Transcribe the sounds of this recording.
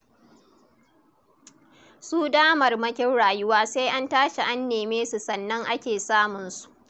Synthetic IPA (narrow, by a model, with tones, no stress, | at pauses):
suː˦daː˦mɐ˨rmɐ˦kʲɪ˦nɽaː˨jʊ˦waː˦seː˦jʔa˦ntaː˦ʃe˨ʔa˦nːeː˨meː˦su˨sɐ˨nːɐ˦ŋʔa˦kʲeː˨saː˦mʊ˨nsu̥˨ʔ